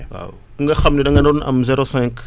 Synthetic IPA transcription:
wa̰ | uŋɡaxɐmnidaŋɡanounɐ̰mzɛɾosɛ̃ŋk

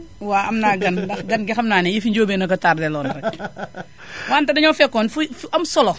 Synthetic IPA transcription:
waːɐmnaːɡɐndɐxɡɐnɡɛxɐmnaːnɛjifiɲd͡ʒoːbɛːnɐkɐtaːrdɛlɔːnɾɐ | waːntɐdɐɲɔfɛkːɔnfufɐmsɔlɔ

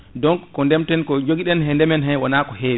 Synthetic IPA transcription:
dɔŋkːɔndɛmtɛnkɔd͡ʒoɡiɗɛnɦɛndɛmɛnɦɛwɔnakɔheːwɛ

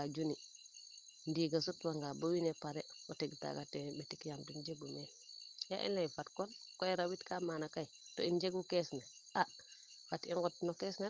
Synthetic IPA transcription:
ad͡ʒuni | ndiɡasutwaŋɡabawinepaɾewoteɡta̰ɡatenbetikjamtund͡ʒeɡume | ja̰ʔḭnlejfatkonkoeɾawitkamanakai | toind͡ʒeɡukesnea | fatiŋɡutnokesne

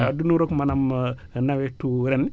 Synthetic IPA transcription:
dunuɾokmanamnawetuɾen

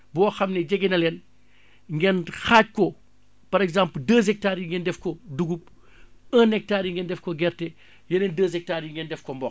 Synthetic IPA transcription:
bɔːxɐmnɛɟɐɡinɐlɛːn | ŋɡɛnxaːc̚kɔ | pɐɾɛɡzampldəːz̬ɛk̚taːɾiŋɡɛndɛfkɔduɡup̚ | ənɛk̚taːɾiŋɡɛndɛfkɔɡɛrtɛ | jɐnɛndəːzɛk̚taːɾiŋɡɛndɛfkɔmbɔ

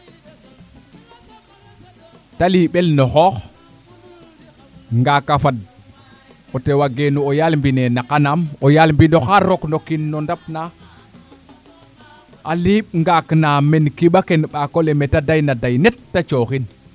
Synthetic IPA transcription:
taliɓelnoxɔːx | ŋɡakafad̚ | otewaɡenuojalmbinenakanamojalmbinoxaɾoknokinːondap̚na | aliːɓŋɡaknamenkiɓakenɓakolemetadajnadajnetːat͡ʃoːxin

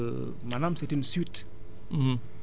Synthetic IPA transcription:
nãnamsetinsit̩

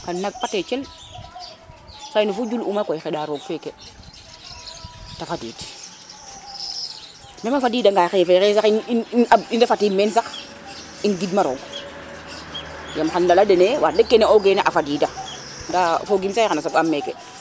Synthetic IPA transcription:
kannaɡ̚patɛt͡ʃɛl | sainufud͡ʒulumakɔjxɛɗaɾoɡfɛkɛ | tafadḭːd | mɛmafadiːdaŋɡaːxɛfɛxɛsaxinaindafatiːmɛns̬ax | inɡidmaɾo̰ːŋɡ | jamxandaladenewa̰dekːɛnɛoɡeneʔafadiːda | ndafoɡimsaixanasafamːɛkɛ̰

